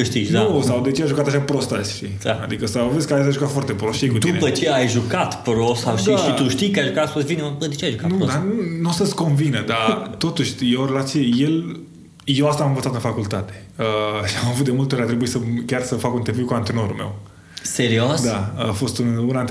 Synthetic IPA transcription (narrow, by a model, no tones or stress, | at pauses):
ʃt̪it͡ʃndausawd̪e̞t͡ʃeajʒukat̪aʃapɾo̞st̪asʲʃt̪iaa̰d̪ikəsaveskaesaʒukat̪foart̪epɾosʃiekut̪d̪iunepət͡ʃeajʒukat̪pɾosawʃt̪d̪iaʃit̪uʃt̪ikəajʒukat̪fosvinembəd̪et͡ʃeajʒukanud̪anunosəsko̞nvinəd̪at̪o̞t̪uʃʲjeoɾelat̪t͡ʃieje̞l | jewast̪amɨ̃nɱvət̪sat̪ɨnfakult̪at̪e | əʃiamavut̪d̪e̞mult̪eoɾʲat̪ɾebuisəkʲarsəfakunt̪eviwkuant̪ɾeno̞ɾulme̞̰w | seɾiosd̪aafo̞st̪ununant̪